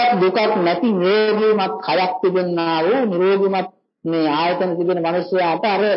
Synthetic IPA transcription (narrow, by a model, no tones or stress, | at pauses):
kd̪ukak̪nɛt̪iniɾoːɡ̪iumat̪̚kʰajak̚t̪ibenːaːʋuniɾoːɡ̪imat̪̚ | meaːjet̪ɐnət̪ibenəmanusjaːʈəaɾə